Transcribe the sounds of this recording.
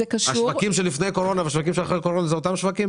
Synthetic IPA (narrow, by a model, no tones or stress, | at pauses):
ekaʃaʃuvakimʃelifnejko̞ʁo̞navaʃvakimʃeaχejko̞ʁo̞nazeot̪amʃvakim